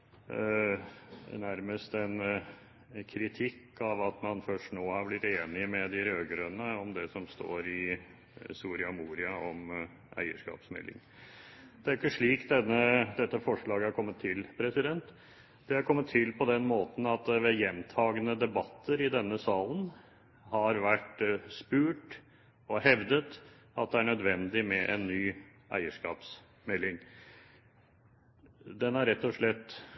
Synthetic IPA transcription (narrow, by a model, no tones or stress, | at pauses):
næɾməst̪ɛn | kʰɾɪt̪ʰɪkːɑʋɑt̪mɑnfœʂʈnoːhɑɾblɪt̪ːeːnɪmɛd̪ɪɾøːɡɾœnəɔmd̪ɛsɔmst̪o̰ːɾɪ | suːɾɪɑmuːɾɪɑɔm | ʔæ̰ɪə̰ʂkɑ̰ːpsmɛ̰lːɪ̰ŋ | d̪ɛæɾjɪkːəʂɭiːkd̪ɛnːəd̪ɛt̪ːəfɔʂɭɑːɡəæɾkʰɔmːət̪ʰːɪlpʰɾɛsɪd̪ɛnt̪ | d̪̥ɛhɑɾkʰɔmːət̪ʰːɪlpʰɔd̪ɛnmoːt̪n̩ɑt̪ʋɛjɛnt̪ʰɑːɡənəd̪ɛbɑt̪ʰːəɾɪd̪ɛnːəsɑːlən | hɑɾʋæʈspʉːʈ | ɔhɛʋd̪ət̪ | ɑt̪̚d̪ɛæɳœd̪ʋɛnd̪ɪmɛʔɛnːyː | ʔæ̰ɪəʂkɑ̰ːps | mɛlːɪŋ | d̪ɛnæɾɛt̪ːɔʂɭɛt̪ː